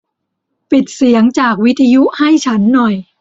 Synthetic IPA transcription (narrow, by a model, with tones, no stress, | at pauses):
pi˨˩t̪̚si˩˦əŋt͡ɕaː˨˩k̚wi˦˥t̪ʰːa˧ju˦˥ʔha˥˩jt͡ɕʰa˦˥nːɔ˨˩j